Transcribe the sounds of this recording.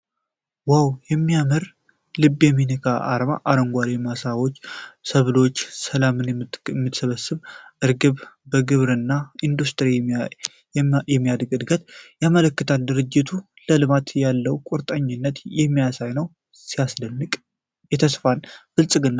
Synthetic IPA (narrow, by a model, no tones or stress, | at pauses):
wawjɛmːijamɨɾ | lɨbjɛminikʰaʔa̰ɾma̰ʔaɾəŋɡʷalemasawo̞t͡ʃːsəβlo̞t͡ʃːsəlamɨnmːɨt̪səβəsːɨβʔɨɾɡɨβbəɡɨβɾɨnːaind̪ust̪ʰɨɾi | jɛmːijad̪əɡɨd̪ɡət̪jamələkːɨt̪ʰald̪ɨɾɨd͡ʒːɪt̪ʰu | ləlɨmat̪jalːəwkʷʼuɾt̪ʼəɲːɪnːət̪jɛmːijasajnəw | sijasdənːɨkʼ | jɛt̪ʰəsfalfɨlsʼɨɡɨnːa